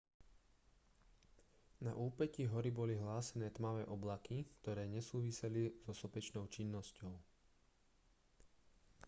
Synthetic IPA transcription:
na̰ʔuːpɛciɦɔɾibɔliɦlaːsɛnɛːt̪maʋɛːʔɔblakikt̪ɔɾɛːɲɛsuːʋisɛliz̥ɔsɔpɛt͡ʃnɔʊt͡ʃinːɔscɔʊ

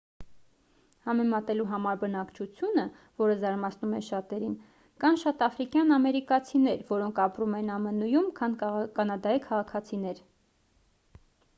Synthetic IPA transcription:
hɑmɛmɑt̪ɛluɦɑmɑɾbənɑkt͡ʃʰut͡sʰjunə | vɔɾəzɑɾmɑt͡sʰnumɛʃɑt̪ɛɾin | kɑnʃɑt̪ɑfɾikjɑnɑmɛɾikɑt͡sʰinɛɾvɔɾɔŋkʰɑpɾumɛnɑmənujumkʰɑnkɑnɑd̪ɑikʰɑʁɑkʰɑt͡sʰinɛɾ

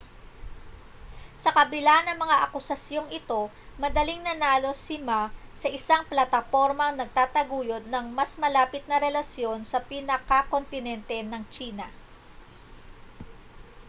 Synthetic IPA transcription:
sɐkɐbɪlanɐŋmɐŋaʔɐkʊsɐsjo̞ŋɪt̪o̞ | mɐd̪ɐliŋnɐnaːlo̞sɪmasɐʔɪsaŋplɐt̪ɐfo̞ɾmɐŋnɐɡ̚t̪aːt̪ɐɡuːjo̞d̪̚nɐŋmɐsmɐlaːpɪt̪̚nɐɾɛlɐsjo̞nsɐpɪnɐkɐko̞nt̪ɪnɛnt̪ɛnɐŋt͡ʃiːnɐ

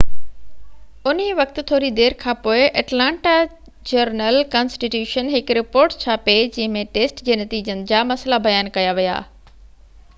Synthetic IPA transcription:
ʊniʋɐkt̪ʊt̪ʰoːɾid̪eːɾkʰãːpoːɪʔɐʈlãːɳʈa | d͡ʑɐɾnəlkaːnsʈiʈjuːʃənɦɪkɾɪpoːɾʈt͡ɕʰaːped͡ʑɐ̃ɦɪ̃mẽʈeːsʈd͡ʑeːnɐt̪iːd͡ʑənɪ̆d͡ʑaːmɐslabɐjaːnkɐjaʋija̰ː

